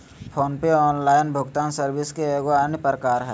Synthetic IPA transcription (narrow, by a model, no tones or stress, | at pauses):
pʰoːnpeɔːnlaːɪnbʱʊɡt̪aːnsəɾbɪskeeɡoaːnjəpɾəkaːɾɦɛː